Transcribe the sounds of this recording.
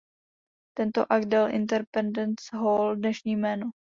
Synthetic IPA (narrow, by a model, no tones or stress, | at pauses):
t̪ɛnt̪o̰ʔaɡdɛlʔɪ̰nt̪ɛɾpɛndɛnsɦoldnɛʃɲiːmɛːno